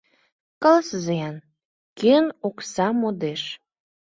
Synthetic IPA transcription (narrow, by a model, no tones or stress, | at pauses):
kəlsəzeɑn | keənoksɑmod̪eʃ